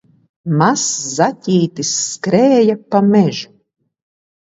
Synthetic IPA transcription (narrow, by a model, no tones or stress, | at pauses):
maszatʲiːt̪isːkɾɛːjapamɛʒu